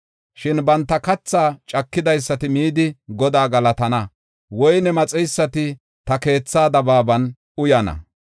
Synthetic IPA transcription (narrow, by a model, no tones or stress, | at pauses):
ʃɪnbɐnt̪ːɐkɐt͡sːaːt͡ʃʼɐkːɪd̪ɐjsːɐt̪ɪmiːd̪ɪɡɔd̪aːɡɐlɐt̪ɐnɐ | wɔjnɛmɐt͡sʼɛjsːɐt̪ɪ | t̪ɐke̞ːt͡sːaːd̪ɐbaːbɐn | ʊjɐnɐ̰